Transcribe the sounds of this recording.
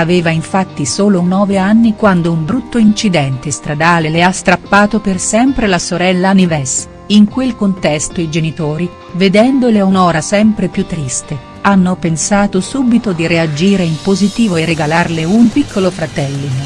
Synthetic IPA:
aveːvaiɱfat̪ːisoːlonɔːveanːikwand̪oumbɾut̪ːoint͡ʃid̪ɛnt̪est̪ɾad̪aːleleast̪ɾapːaːt̪opersɛmpɾelasoɾɛlːanivɛs | iŋkwelkont̪ɛst̪oid͡ʒenit̪oːɾi | ved̪ɛnd̪oleounɔːɾasɛmpɾepjut̪ːɾist̪e | anːopensaːt̪osuːbit̪od̪iɾead͡ʒiːɾeimpozit̪iːvoereɡalarleumpikʰːolofɾat̪ɛlːin

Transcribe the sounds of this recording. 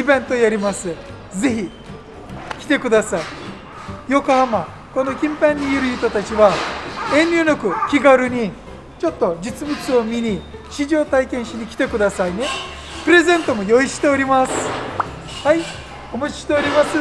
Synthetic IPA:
ibẽ̞nt̪o̞jaɾʲimasɨ | d͡ze̞çi | kʲi̥t̪e̞kɯd̪asai | jo̞kohama | ko̞no̞kʲĩmpãɲ̟ʲːijɯɾɯ̟jɯt̪ot̪at͡ɕiβaẽ̞nʲɾʲɨːnokɯ̟kʲiɡaɾɯ̟ɲ̟i | t͡ɕo̞t̪ːo̞d͡ʑɨt͡sɨbɯ̟t͡sɨo̞mʲiɲi | ɕiʑo̞ːt̪aikẽɰ̃ɕiɲ̟ikʲi̥t̪e̞kɯ̟d̪asaine̞ | pɯ̟ɾe̞zẽ̞nt̪o̞mo̞jo̞iɕi̥t̪e̞oɾʲimasɨ̥ | hai | omat͡ɕi̥ɕi̥t̪e̞oɾʲimasɨ

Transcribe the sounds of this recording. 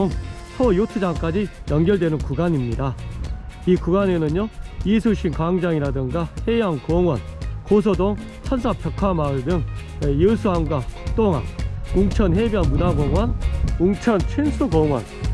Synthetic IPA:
oŋ | sʰʌjutʰɯd͡ʑaŋk͈ad͡ʑijʌnɡjʌɭdwenɯnkuɡaɲimɲida | ikuɡanenɯɲjoisʰuɕʰinkaŋd͡ʑaŋiɾadɯŋɡahe̞jaŋkoŋwʌnkos̬ʰʌdoŋ | t͡ɕʰʌnsʰapʰjʌkʰamaɯɭdɯŋ | wejɯsʰuɦamɡwakuk̚t͈oŋɦa̰ŋuŋt͡ɕʰʌnɦebjʌnmunaɡoŋwʌnuŋt͡ɕʰʌnt͡ɕʰinsʰuɡoŋwʌ̰n

